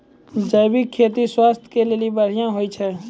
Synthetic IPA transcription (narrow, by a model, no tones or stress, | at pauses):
d͡ʒəɪbɪkʰːeːt̪̬iswaːst̪ʰkelelebəɽ̤ijãɦoːit͡ʃʰɛː